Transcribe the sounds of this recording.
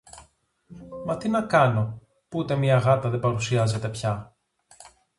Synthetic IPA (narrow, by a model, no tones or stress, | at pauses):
mɐt̪inɐkɐno̞ | puut̪e̞miɐɣɐt̪ɐðe̞bɐɾusiɐze̞t̪e̞pçɐ